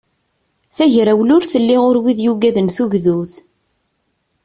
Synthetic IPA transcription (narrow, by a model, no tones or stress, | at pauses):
θæʝɾæwlʊɾθəlːiʊɾwiðjuɡæðənθuʝðuð